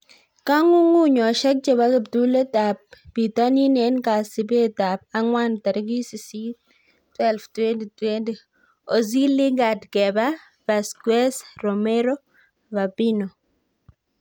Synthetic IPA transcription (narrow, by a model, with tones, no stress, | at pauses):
ka˦ŋu˦ŋu˦ɲɔ˨ʃɛ˦k̚d͡ʒe˨ba˦ke˨btu˦le˦ta˨p̚bi˨ta˦ni˦nɛ˨˦nka˨sɪ˨be˦ta˨p̚a˦ŋwa˦nta˨ɾɪ˦ɡi˦si˨si˦ | twɛ˦lftwe˦ndi˨twe˦ndi˨ | o˨zi˦lɪ˦ŋɡa˨dɡɛ˨ba˦ | ba˨skwɛ˦sɾo˨mɛ˦ɾo˦ | va˨bi˦no˨